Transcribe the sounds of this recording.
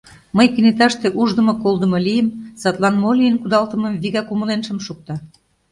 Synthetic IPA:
məjkinet̪ɑʃt̪eʔuʒd̪ə̆mŏkolˠd̪ə̆mɤ̆lijəmsɑt̪lɑnmolʲiənkud̪ɑlt̪ə̆mɤ̆mβiɣɑkuməlenʃəmʃuk̚t̪ɑ

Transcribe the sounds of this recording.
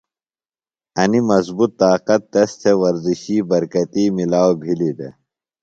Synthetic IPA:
ɐnimɐzbut̪ːaːqɐt̪ːɐst̪ʰewɐɾziɕiːbɐɾkɐt̪iːmilaːwbʱilid̪ḛ

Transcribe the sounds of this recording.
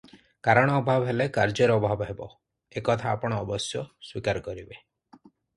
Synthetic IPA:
kaɾɔɽ̃ɔːbʱabɔɦelekaɾd͡ʒɔɾɔɔbʱabɔɦebɔ | ekɔt̪ʰaːpɔɽ̃ɔːbɔsjɔswikaɾɔkɔɾibe

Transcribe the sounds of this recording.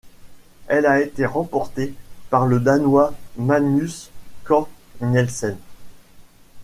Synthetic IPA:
ɛlaet̪eʁɑ̃pɔʁt̪epaʁləd̪anwamanyskɔ̃nɛlsɛn

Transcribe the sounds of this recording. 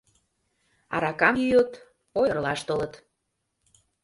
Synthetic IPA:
ɑ̰ɾɑkɑmjyjət̪ | ojərlɑʃt̪olət̪

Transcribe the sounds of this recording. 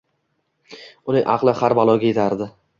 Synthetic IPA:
ʊnɪŋʔɑqlˠɪχaɾbalˠɒɡʲajet̪ʰaɾd̪ɪ

